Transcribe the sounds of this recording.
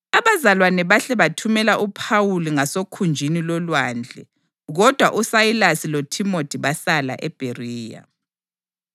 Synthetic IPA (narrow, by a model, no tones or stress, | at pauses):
aβazalwanɛβaɬɛβatʰumɛlaʔupʰawuliŋasokʰund͡ʒʱinilɔlwaːnd͡ɮʱɛ | ɣɔd̥ʱwaʔusajilasilotʰimotʰʼiβasala̰ʔɛb̥ʱeriːja̰